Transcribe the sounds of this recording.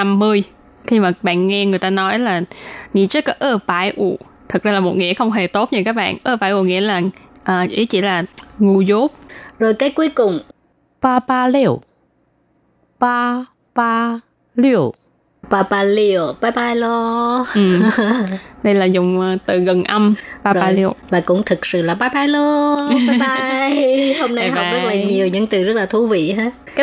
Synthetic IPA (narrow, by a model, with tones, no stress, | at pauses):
na˧mːɨ˧əj | xi˧maː˨˩ɓa̰ː˧˨nŋɛ˧ŋɨ˨˩əjt̪aː˧nɔ˨˦jlaː˨˩ŋḭ˧˥t͡ɕkːɔ˨˦ʔəː˧paː˨˧˩jʔṵ˧˩ | t̪ʰɨ˨˩k̚zaː˧laː˨˩mo˨˩t̚ŋḭ˧˥əxə˧wŋ͡mɦe˨˩t̪o˦˥t̚ɲɨ˧˩kaː˦˥k̚ɓa̰ː˧˨nʔəː˧paː˧˩jʔu˧˩ŋḭ˧˥əlaː˨˩ | ʔəː˨˩ʔḭ˧˦t͡ɕḭ˧˩˥laː˨˩ŋu˧zo˦˥p̚zo˨˩jkaː˨˦jku˨˦əjkʊ˨˩ŋ͡m | paː˧paː˧lɛ˧˩˨w | pa˧ | paː˧ | li˧ə˨˩ | paː˧paː˧li˧o˨˩ɓaː˨˦jɓaː˧jlɔ˧ʔɨ˨˩ | ɗə˧jlaː˨˩zʊ˨˩ŋ͡mt̪ɨ˨˩ɣə˨˩nʔə˧mpaː˧paː˨˧li˧wvaː˨˩kʊ̰˧˥ŋ͡mt̪ʰɨ˨˩k̚sɨ̰˧˨laː˨˩ɓaː˨˦jɓaː˨˧˦jlɔ˧ɓaː˨˦ɓa˧jho˧wmna˧˨˩hɔ˨zə˦˥t̚laː˨˩ɲi˨˩əwɲɨ̰˧˥ŋt̪ɨ˨˩zə˦˥t̚laː˨˩t̪ʰu˧˦vḭ˧˨ɦaː˨˦ | kaː˦